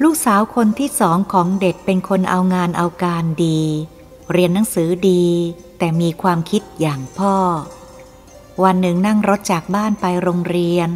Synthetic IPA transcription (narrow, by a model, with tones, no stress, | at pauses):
luː˥˩k̚saː˩˦wkʰo˧nt̪ʰiː˥˩sɔː˩˦ŋkʰɔː˩˦ŋde˨˩t̪̚pe˧nkʰo˧nʔa˧wŋaː˧nʔa˧wkaː˧ndiː˧ | ɾi˧ənːa˩˦ŋsɯː˩˦diː˧ | t̪ɛː˨˩miː˧kʰwaː˧mkʰi˦˥t̪̚jaː˨˩ŋpʰɔː˥˩ | wa˧nːɯ˨˩ŋna˥˩ŋɾo˦˥t̪̚t͡ɕaː˨˩k̚baː˥˩npa˧jɾoː˧ŋɾi˧ən